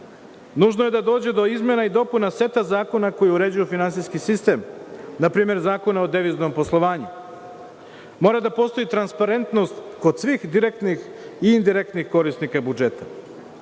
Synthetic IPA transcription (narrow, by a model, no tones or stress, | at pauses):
nuʒnoje̞d̪ad̪o̞ːd͡ʑe̞d̪o̞izme̞naid̪o̞punase̞t̪azaːko̞nako̞jiuɾe̞d͡ʑujufinant̪siskisist̪e̞ːmnapɾiːme̞ɾzaːko̞naod̪eʋizno̞mpo̞slˠo̞ʋaːɲu | mo̞ːɾad̪apo̞ːst̪oit̪ɾanspaɾe̞nt̪no̞st̪ko̞d̪sʋixd̪iɾek̚t̪nixiːnd̪iɾek̚t̪nixko̞ɾist̪nikabud͡ʒe̞t̪a